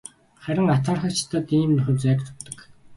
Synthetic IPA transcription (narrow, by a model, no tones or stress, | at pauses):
χæɾʲɪ̆ŋat̪ʰaːrχə̆t͡ɕt̪ə̆t̪iːmnɵχɘ̆t͡sæːkt̪ʰʊ̥t̪ːə̆k